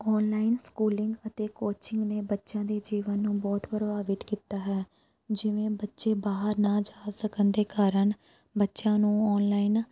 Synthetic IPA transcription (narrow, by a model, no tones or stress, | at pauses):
ɔːnlaːɪnskuːlɪŋɡət̪eːkoːt͡ʃɪŋɡneːbətːʃãːd̪eːd͡ʒiːʋənːũːbɔːt̪pɾbaːʋɪt̪kiːt̪aːɦɛː | d͡ʒɪʋẽːbətːʃeːbaːɦəɾnaːd͡ʒaːlsəkənd̪eːkaːɾəɳ | bətːʃãːnũːɔːnlaːin